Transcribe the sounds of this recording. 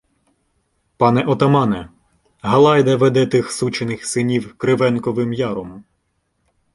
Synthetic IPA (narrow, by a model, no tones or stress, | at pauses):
pɑnɛʔɔt̪ɐmɑnɛ | ɦɐlˠɑjd̪ɐʋɛd̪ɛt̪ɪxsut͡ʃenɪxsɪnʲiwkɾɪʋɛnkɔʋɪmjɑɾɔm